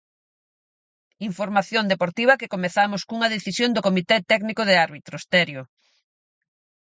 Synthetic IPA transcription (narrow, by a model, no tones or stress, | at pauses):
iɱfoɾmaθjond̪epoɾt̪iβɐkekomeθamʊskuŋɐð̞eθisjond̪okomit̪et̪ɛknikoðeaɾβit̪ɾost̪ɛɾjo